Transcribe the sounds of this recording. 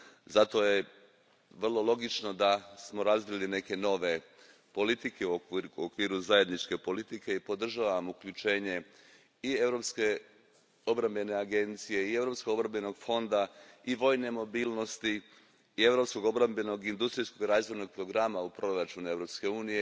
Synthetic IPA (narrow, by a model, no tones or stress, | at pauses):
zat̪o̞je̞ | ʋr̩lˠo̞lˠo̞ɡit͡ʃno̞d̪asmo̞ɾazʋiline̞ke̞no̞ʋe̞ | po̞lit̪ikeuokːuokʋiːɾuzaje̞d̪nit͡ʃke̞po̞lit̪ike̞ipo̞d̪r̩ʒaːʋamukʎut͡ʃe̞ːɲe̞ | ie̞vɾo̞pske | o̞bɾambe̞ne̞aɡe̞nt̪sije̞ie̞vɾopskoɡobɾambeno̞ɡfo̞nd̪aiʋo̞ːjne̞mo̞biːlno̞st̪iː | e̞ʋɾo̞psko̞ɡo̞bɾambeno̞ɡind̪ust̪ɾijsko̞ɡiɾaːzʋo̞jno̞ɡ̚pɾo̞ɡɾamaupɾo̞ɾat͡ʃunue̞vɾo̞pske̞uːnije